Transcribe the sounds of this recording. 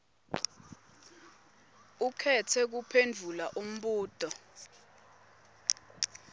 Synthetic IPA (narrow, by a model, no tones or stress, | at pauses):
ukʰɛtʰɛk̬upʰend͡ɮʱulaʔum̩ɓuːd̥ʱɔ